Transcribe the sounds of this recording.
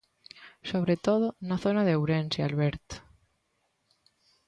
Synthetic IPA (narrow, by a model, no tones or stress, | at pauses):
soβ̞ɾet̪oð̞onaθonaðeewɾensealβeɾt̪